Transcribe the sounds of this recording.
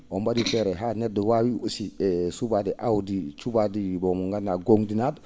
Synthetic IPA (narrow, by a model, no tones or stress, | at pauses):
ombadifeɾeɦanedwawiusiesubadiʔawdit͡ʃubadibomuŋɡanːaɡoŋdinad